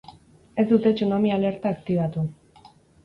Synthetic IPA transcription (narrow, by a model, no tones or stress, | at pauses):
e̞zd̪ut̪e̞t͡ʃunomiaːle̞ɾt̪aːkt̪iβ̞at̪u